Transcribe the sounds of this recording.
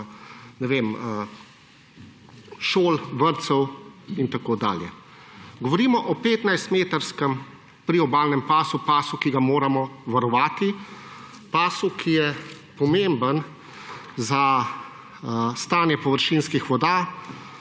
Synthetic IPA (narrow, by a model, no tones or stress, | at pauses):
nɛʋeːmə | ʃoːlʋəɾt̪sɛwint̪akoːd̪a̰ːljɛ̰ | ɡɔʋɔɾiːmɔʔɔpeːt̪najst̪meːt̪əɾskəm | pɾiɔbaːlnɛmpaːsupaːsukiɡamoːɾamɔʋaɾɔʋaːt̪i | paːsukʰijɛ | pɔmembən | za | st̪aːnjɛpɔʋəɾʃinskixʋɔd̪aː